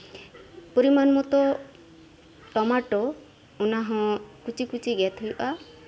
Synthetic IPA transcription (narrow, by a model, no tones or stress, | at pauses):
puɾimanmɔt̪ɔ | ʈɔmaʈɔ | unaɦɔ̃kut͡ʃikut͡ʃiɡɛt̪ʰujʔa